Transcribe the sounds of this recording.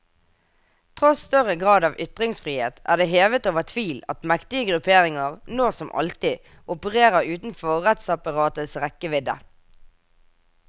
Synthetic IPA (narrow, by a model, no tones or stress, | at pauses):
t̪ʰʁɔst̪œʁəɡʁɑːd̪ɑːʋʔʏt̪ʁɪŋsfʁiːhḛːt̪ʔæ̰ːʁd̪eːɦeːʋət̪oːʋəʁt̪ʰʋiːlɑ̰t̪mɛkt̪ɪəɡʁʉpʰeːʁɪŋəʁnoːsɔmʔɑ̰lt̪ɪ | ʔʊpəʁeːʁəʁʉːt̪n̩fɔʁɛt̪sɑpɑʁɑːt̪əsʁɛkəʋɪd̪ə̰